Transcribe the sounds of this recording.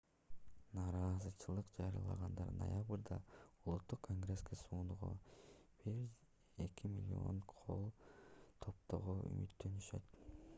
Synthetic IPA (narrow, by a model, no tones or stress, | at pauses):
nɑːɾɑzɯt͡ʃʰɯlˠɯqd͡ʒɑɾijɑ̰lˠɑ̰ʁɑnd̪ɑɾno̰jabrd̪ɑulˠut̪ːuqkʰːoŋɡre̞skesuːnuʁo̰b̥iɾ | e̞kʲimʲilʲḭo̞̰nqʰo̞̰lˠt̪ʰo̞p̚t̪o̞ʁoy̰mʔyt̪ːø̞nyʃø̞t̪